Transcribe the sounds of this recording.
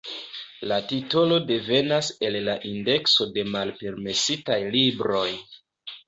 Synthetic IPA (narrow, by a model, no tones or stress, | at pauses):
latito̞lo̞de̞ve̞nase̞lːaʔinde̞kso̞de̞malpe̞ɾme̞sitajlibɾo̞j